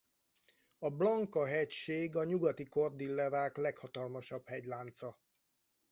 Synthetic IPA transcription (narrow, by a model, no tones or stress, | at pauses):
ɒblɒŋkɒɦɛcʃeːɡɒɲuɡɒt̪iko̞rd̪ilːɛɾaːklɛkhɒt̪ɒlmɒʃɒbhɛɟlaːnt̪sɒ